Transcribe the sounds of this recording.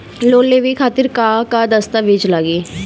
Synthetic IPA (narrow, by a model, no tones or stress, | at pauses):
loːleʋikʰaːt̪ɪɾkaːkad̪əst̪aʋed͡ʒlaɡeː